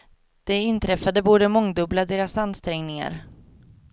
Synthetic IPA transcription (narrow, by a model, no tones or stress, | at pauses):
d̪̥ɛɪnt̪ʰɾɛfad̪əbuːɖəmɔŋd̪ɵblad̪eːɾasanst̪ɾɛŋnɪŋa̰ɾ